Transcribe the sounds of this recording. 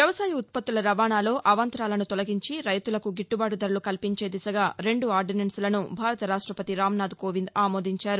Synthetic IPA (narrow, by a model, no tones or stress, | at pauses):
ʋjɐʋɐsaːjɐut̪̚pɐt̪ːulɐɾɐʋaːnaːlo̞ːʔɐʋɐnt̪ɾaːlɐnut̪ɔlɐɡiɲt͡ʃiɾɐjt̪ulɐkuɡiʈːubaːʈud̪ɐɾulukɐlpiɲt͡ʃe̞ːd̪isɐɡaːɾe̞ɳɖuaːɾɖinɐnsulɐnubʱaːɾɐt̪ɐɾaːʂʈɾɐpɐt̪iɾaːmnaːd̪ukoːʋind̪aːmoːd̪iɲt͡ʃaːɾu